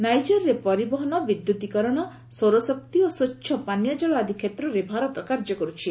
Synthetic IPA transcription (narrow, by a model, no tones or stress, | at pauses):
najd͡ʒɔɾːepɔɾibɔɦɔnɔbid̪jut̪ikɔɾɔɽ̃ɔ | soɾɔsɔk̚t̪iosotːʃʰɔpanjad͡ʒɔɭɔad̪ʱikʰet̪ɾɔɾebʱaɾɔt̪ɔkaɾd͡ʒɔkɔɾut͡ʃʰi